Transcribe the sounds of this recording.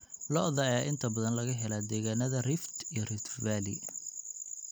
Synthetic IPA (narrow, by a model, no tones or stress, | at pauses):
lɔʔðɐɛɪnt̪ʰɐbɐðɐnlɐɣɐɦɛlaːd̪ɛːɣaːnɐðɐrɪft̪ijɞrɪft̪baːlɪ̰